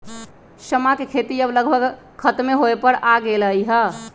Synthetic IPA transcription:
səmakekʰet̪iəbləɡbʱəɡ | kʰət̪meɦoepəɾʔaɡeləiɦə

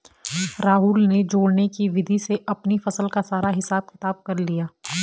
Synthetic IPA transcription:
ɾaːɦʊːlned͡ʒoːɽnekiʋɪd̪ʱiseʔɐpnifɐsəlkasaːɾaɦɪsaːb̚xɪt̪aːb̚kɐɾlijaː

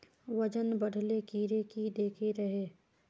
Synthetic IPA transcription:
ʋɐd͡ʒənbɐɽ̤ʱlekiːɾekid̪eːkʰeɾɐɦeː

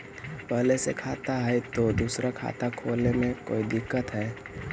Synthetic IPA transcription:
pɛɦlesekʰaːt̪aɦɛjt̪od̪uːsɾakʰa̰ːt̪akʰoːlemẽko̰ːid̪ɪkːət̪ɦɛː

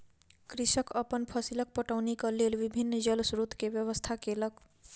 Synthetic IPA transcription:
kɾisəkəpənpʰəsilək̚pəʈəʊnikʌlelbibʱinːd͡ʒəlsɾut̪kebjəβəst̪ʰakelək

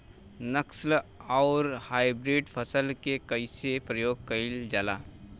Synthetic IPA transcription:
nəkslaːɾhaːɪbɾiːɖpʰəsəlkekəɪsepɾəjoːɡ̚kəɪld͡ʒaːla̰ː

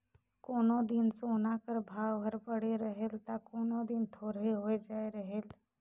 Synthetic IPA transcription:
koːnod̪insoːnakəɾbʱaːwɦəɾpəɽ̤eɾəɦelt̪akoːnod̪ɪnt̪ʰoːɾeɦoed͡ʒaːeɾəɦeːl

